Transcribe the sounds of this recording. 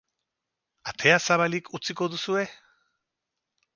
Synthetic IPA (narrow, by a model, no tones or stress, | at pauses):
at̪ʰe̞asaβalikut͡siko̞ðusue̞